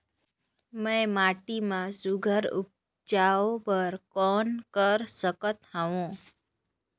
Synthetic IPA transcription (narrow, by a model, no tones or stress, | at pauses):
mẽmaʈimãsʊɡʱəɾṵp̚ | d͡ʒaobəɾkɔnkəɾsəkət̪həʋõ